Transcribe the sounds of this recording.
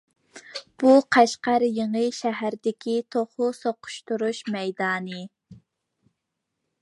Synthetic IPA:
b̥uqʰæʃqæɾjeŋɨjʃæɦæɾd̪ɪkʲʰit̪ʰoχʊsoqʰʊ̥ʃt̪uɾuʃmɛjd̪ɑːnɨ

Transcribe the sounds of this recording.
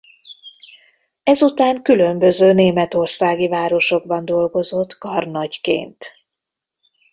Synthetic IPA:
ɛzut̪aːŋkylø̞mbø̞zøːneːmɛt̪o̞rsaːɡivaːɾo̞ʃo̞ɡ̚bɒnd̪o̞lɡo̞zo̞t̪kɒrnɒɟkḛːnt̪

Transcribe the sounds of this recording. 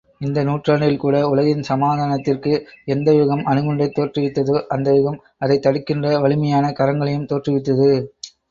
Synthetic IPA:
ɪnd̪ɐnuːʈraːɳɪlkuːɽɐʊlɐɣɪnsɐmaːðaːnɐt̪ːɪrkɯɛnd̪ɐʋɪɣɐmʔɐnɯɣɯɳɖɐɪt̪ːoːʈrɪʋɪt̪ːɐðɯʔɐnd̪ɐʋɪɣɐm | ɐðɐɪt̪ːɐɽɯkːɪndrɐʋɐɭɪmɐjaːnɐkɐɾɐŋɡɐɭɐjɯmt̪oːʈrɪʋɪt̪ːɐðɯ

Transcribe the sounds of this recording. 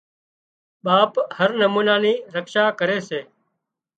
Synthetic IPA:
ɓaːphəɾnəmuːnaːniːɾəkʃaːkəɾeːseː

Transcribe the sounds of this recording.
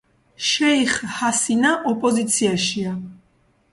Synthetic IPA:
ʃɛiχhasinaʔɔpʼɔzit̪sʰiaʃia

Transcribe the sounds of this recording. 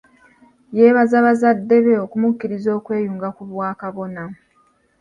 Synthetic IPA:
je̞ːβazaβazadːe̞βe̞okumukːiɾizo̞ːkwe̞ːjuːŋɡakuβwaːkaβo̞na

